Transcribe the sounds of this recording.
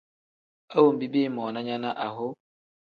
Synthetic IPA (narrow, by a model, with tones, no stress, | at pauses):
a˦wo˨m̩˨bi˦be˦˨mɔ˨na˦ɲa˦na˦ʔa˨ɦʊ˦